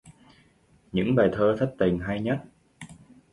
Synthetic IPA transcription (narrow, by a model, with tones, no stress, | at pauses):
ɲɨ̰˧˥ŋɓaː˨˩jt̪ʰəː˧t̪ʰə˦˥k̚t̪ï˨˩ŋ̟ɦaː˧jɲə˦˥t̚